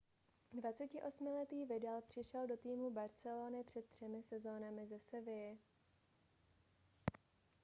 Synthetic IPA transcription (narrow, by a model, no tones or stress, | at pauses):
dvat͡sɛcɪʔo̞smɪlɛt̪iːvɪdɛlpr̝̥ɪʃɛldo̞t̪iːmubaɾt͡sɛloːnɪpr̝̥ɛt̪̚t̪ːr̝̥ɛmɪsɛzo̞ːnamɪzɛsɛvɪjɛ